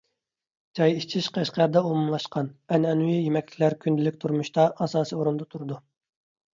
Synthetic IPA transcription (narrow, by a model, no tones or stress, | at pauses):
d͡ʒɑjit͡ʃʰiʃqʰæʃqʰæɾd̪ɛumumlˠɑʃqʰɑnɛnɛnuwijemɛkʲt͡ʃʲɪkʰʲlæɾkʲʰynd̪ɪlɪkʲt̪ʰuɾmuʃt̪ɑʔɑsɑːsioɾund̪ɑt̪ʰuɾɨd̪u